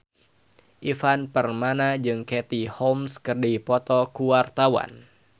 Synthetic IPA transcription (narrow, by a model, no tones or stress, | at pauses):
ʔifanpərmanad͡ʒɨŋkɛt̪ihɔmskərdipɔt̪ɔkuwart̪awa̰n